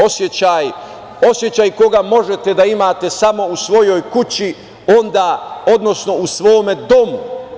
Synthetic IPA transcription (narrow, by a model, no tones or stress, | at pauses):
osjet͡ɕaːj | o̞sje̞t͡ɕajko̞ɡamo̞ʒet̪ed̪aimaːt̪e̞samo̞usʋo̞jo̞jkut͡ɕi | o̞nd̪aːo̞d̪no̞sno̞usʋo̞ːme̞d̪o̞mu